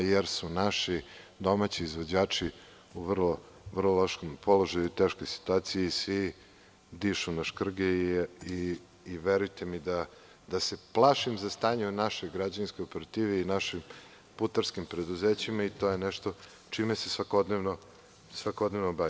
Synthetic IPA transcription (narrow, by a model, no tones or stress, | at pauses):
jeɾsunaʃid̪o̞mat͡ɕiːzʋod͡ʑaːt͡ʂi | uʋr̩lo | ʋr̩lˠoloʃkompʰolo̞ʒajuit̪eːʃko̞jsi̥t̪uaːt̪sijeisʋi | d̪iʃunaʃkr̩ɡeiː | ʋeɾujt̪emid̪a | d̪ase̞plˠaʃimzast̪aːɲenaʃo̞jɡɾad͡ʑanskojopeɾat̪iːʋeinaʃim | put̪aɾskimpɾe̞d̪uzeːt͡ɕimait̪o̞jenɛʃt̪o | t͡ʃimesesʋakod̪neʋno | sʋakod̪nevnobai